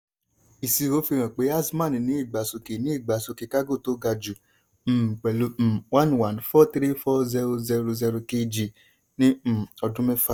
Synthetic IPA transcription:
i˨si˧˨o˨˦fi˧ɾ̃ã˨k͡pe˨˦a˦si˦mã˦˨nĩ˨nĩ˨˦i˦˨ɡ͡ba˨so˧ke˨nĩ˨˦i˦˨ɡ͡ba˨so˧ke˧˨ka˦ɡo˦˨to˨˦ɡa˧d͡ʒu˨ | m̩˨k͡pɛ˨lu˧˦m̩˨wã˦nwa˨˦nfɔ˦tɾi˦fɔ˦zɛ˧ɾo˧zɛ˧ɾo˧zɛ˧ɾo˧ke˧d͡ʒi˧˨ | nĩ˦m̩˨ɔ˧dũ˦mɛ̃˦fa˦

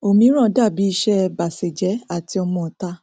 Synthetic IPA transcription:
o˨mĩ˧˦ɾ̃ã˦˨da˦˨bi˨˦i˧˦ʃɛ˦˧ba˨se˨d͡ʒɛ˨˦a˨ti˨˧ɔ˧mɔ̃˧˨ta˧˦

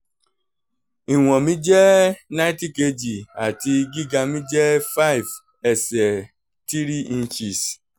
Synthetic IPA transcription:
i˨wɔ̃˨mĩ˦d͡ʒɛ˦na˦i˦ti˦ke˦d͡ʒi˨a˨ti˦ɡi˦ɡa˧mĩ˦d͡ʒɛ˦fa˦i˨v | ɛ˨sɛ˨ | ti˦ɾi˦i˦n̩˦t͡ʃi˨s

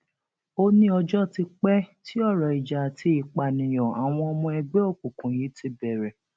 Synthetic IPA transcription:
o˦nĩ˦ɔ˧d͡ʒɔ˦ti˧k͡pɛ˦ti˦ɔ˦˨ɾɔ˨i˨d͡ʒa˨tʰi˦i˨k͡pa˨nĩ˨jɔ̃˨a˨w̃ɔ̃˧ɔ˧mɔ̃˧ɛ˧ɡ͡bɛ˦o˦˨k͡pu˨kũ˨ji˨˦ti˧˦bɛ˨ɾɛ˨

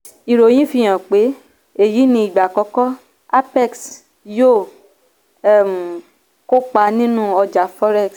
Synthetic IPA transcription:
i˨ɾo˨j̃ĩ˦fĩ˧j̃ã˨k͡pe˨˦ | e˨ji˨˦nĩ˧˦i˨ɡ͡ba˨kɔ˧˦kɔ˦ | a˦pɛ˦˨ks | joː˦˨˦ | m̩˨ | ko˦k͡pa˧˦nĩ˦nũ˦ɔ˧d͡ʒa˨˦fɔ˦ɾɛ˦˨ks

